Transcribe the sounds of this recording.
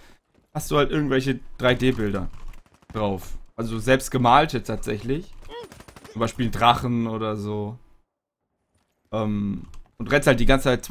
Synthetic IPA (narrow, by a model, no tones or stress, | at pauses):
hastd̥uːhaltʔɪɐɡŋ̩tvɛlç̬əd̥ʁaɪdeːbɪldɐ | d̥ʁaʊfʔalzozɛlpstɡ̥əmaːltjɛtʰaːtz̥ɛçlɪç | t͡sʊmbaɪʃpiːlndʁaχn̩ʔoːɾɐzoː | ʔɛːmʔʊntʁɛnsthaltd̥iɡant͡sət͡sʰaɪt̚t͡s